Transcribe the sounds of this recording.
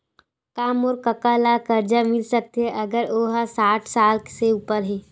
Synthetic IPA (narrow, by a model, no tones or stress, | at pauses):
kaːmoːɾkəkaːlakəɾd͡ʒamɪlsək̚t̪eɦɛ̃ʔɐɡəɾoːɦasaːʈʰsaːlkseuːpəɾɦiː